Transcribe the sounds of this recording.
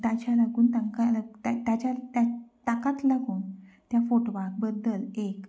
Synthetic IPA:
t̪at͡ɕalaɡuːnt̪aŋkalət̪at̪jat͡ɕat̪jat̪akat̪laɡuːnt̪jafoʈoʋak̚bəd̪ːəlek

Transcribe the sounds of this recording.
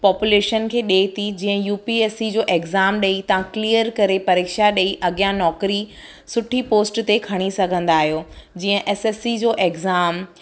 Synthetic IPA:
pɔːpuleːʃənkʰeːɗeːt̪ʰid͡ʑĩːə̃juːpieːsid͡ʑoːʔeɡzaːmɗɐit̪ɐʋãkliːəɾkɐɾepɐɾeːkʃaɗɐiʔɐɠijãnɔːkɾi | sʊʈʰipoːsʈt̪ekʰɐɽ̃isɐɡʱə̃nd̪aːɦijoːd͡ʑiːə̃ʔɛːsesid͡ʑoːʔeɡzaːm

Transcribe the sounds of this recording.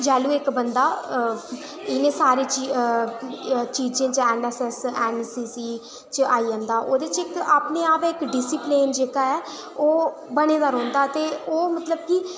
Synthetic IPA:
d͡ʒɛːluːɪkbənd̪aː | ɪnẽːsaːɾeːt͡ʃi | t͡ʃiːd͡ʒẽːt͡ʃɛːnɛːsɛːsɛːnsiːsiː | t͡ʃəaːiːə̃nd̪aːʔoːd̪et͡ʃɪkaːpneːaːpɛːɪkɖɪsiːpleːnd͡ʒeːkaːɛː | oː | bəɽ̃eːd̪aːɾɦɔ̃ːnd̪aːt̪eːoːmət̪ləb̚ki

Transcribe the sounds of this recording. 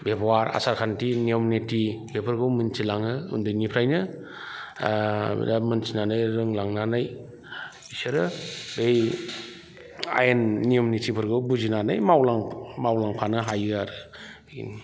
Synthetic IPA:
bepwaɾa̰saɾkʰantinijɔmnetibepʰɯɾɡɯwmɯnsʰilaŋɯṵndɯjnipʰɾajnɯ | damɯnsinanɯjɾɯŋlaŋnanaj | isɯɾɯbej | a̰jenːijomnetʰipʰɯɾɡɯwbuzinanɯjmawlaŋmawlaŋpʰanɯɦajaɾɯ

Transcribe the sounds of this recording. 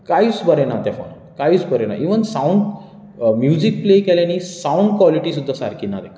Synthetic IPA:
kait͡sbəɾenat̪jafɔ̰n | kait͡sbʱəɾena̰ʔiʋənsauɳɖ | mjud͡ʑik̚plekɛljanisauɳɖkʋɔliʈisud̪ʱːasa̰ɾkinːa̰d̪e

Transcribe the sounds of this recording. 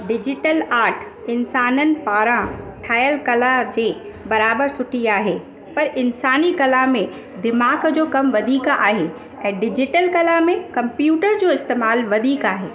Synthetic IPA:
ɖɪd͡ʑɪʈəlaːɾʈʰ | ɪnsaːnənɪ̆paːɾãʈʰaːjəlkɐlad͡ʑeː | bɐɾaːbəɾsʊʈiaːɦeː | pɐɾɪnsaːnikɐlamẽ | d̪ɪmaːɡd͡ʑoːkɐmʋɐd̪ʱiːkaːɦe | ɛ̃ːɖɪd͡ʑɪʈəlkɐlamẽkɐ̃mpjuːʈəɾd͡ʑoːɪst̪eːmaːlʋɐd̪ʱiːkaːɦeː

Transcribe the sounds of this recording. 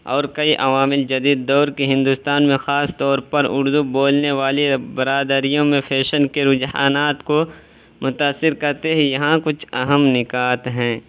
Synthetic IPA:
ɔːɾkɐiʔɐʋaːmɪld͡ʒɐd̪iːd̪ːɔːɾkeɦɪ̃nd̪ʊst̪aːnmẽxaːst̪ɔːɾpɐɾʊɾd̪uboːlneʋaːlebɐɾaːd̪əɾijõmẽpʰɛːʃənkeɾʊd͡ʒha̰ːnaːt̪ko | mʊt̪aːsːɪɾkɐɾt̪eɦɛjɐɦãkʊt͡ʃʰɐɦəmnɪkaːt̪ɦɛ̃ː

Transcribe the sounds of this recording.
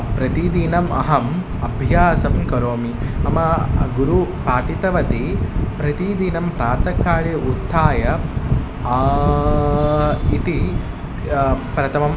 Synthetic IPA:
pɾɐt̪id̪inɐmɐ̰ɦɐm | ɐbʱjaːsɐmkɐɾoːmiɐmɐɡuɾupaːʈit̪ɐʋɐt̪ipɾɐt̪id̪inɐmpɾaːt̪ɐkːaːɭeut̪ʰːaːjɐ | it̪i | pɾɐt̪ʰɐmɐm

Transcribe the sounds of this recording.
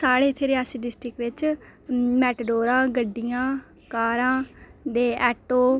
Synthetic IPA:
saːɽeːɪt̪ʰːeːɾeaːsiɖɪsʈɾɪkʋɪt͡ʃ | mɛːʈɖoːɾãːɡəɖːijãː | kaːɾãːd̪eːɛːʈoː

